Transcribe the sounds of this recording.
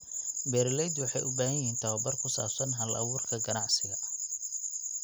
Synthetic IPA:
bɛːɾlɛjd̪wɑħɑjʔʊbaːɦɐjɪɦiːnt̪ʰɐβɐbɐrkʰʊsa̰ːbsɐnɦɐlʔɐ̰βuːrkʰɐɡɐnɑʕsɪɣɐ

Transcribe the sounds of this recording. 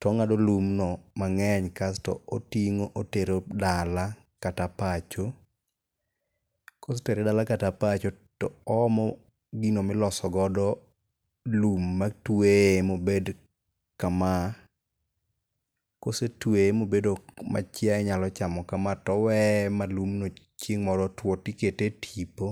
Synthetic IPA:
tɔŋadɔlumnɔmaŋɛɲkastɔ̰otiŋoʔoteɾodala | katapat͡ʃo | koseteɾedalakatapat͡ʃotɔɔmɔ | ɡinomɪlɔsɔɡɔdɔ | lumːatwemobed | kama | kosetwemobedoma̰t͡ʃɪaɛɲalɔt͡ʃamɔkamatɔwɛmalumnot͡ʃjeŋmɔɾɔtwɔtiketetʰipo

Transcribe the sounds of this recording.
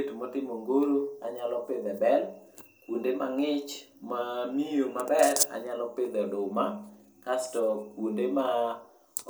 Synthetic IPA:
tmɔtɪmoŋɡoɾoaɲalɔpɪd̪ɛbɛl | kwundemaŋɪt͡ʃmamijomabɛra̰ɲalɔpɪd̪ɛdoma | kastɔkwundema

